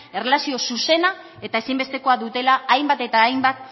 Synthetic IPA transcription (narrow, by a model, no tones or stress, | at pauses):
e̞relasio̞suse̞na | e̞t̪ae̞simbe̞st̪e̞ko̞aðut̪e̞laːjmbat̪e̞t̪aːjmbat̪̚